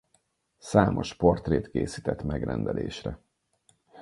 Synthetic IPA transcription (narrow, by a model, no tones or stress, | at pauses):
saːmʔo̞ʃpo̞rt̪reːt̪keːsit̪ɛt̪mɛɡrɛnd̪ɛlʔeːʃrɛ